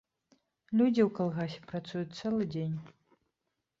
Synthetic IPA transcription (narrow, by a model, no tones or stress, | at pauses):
lʲud͡zʲiwkalˠɣasʲɛ̥pɾat̪sujut̪̚ʲt̪sɛlˠɨd͡zʲenʲ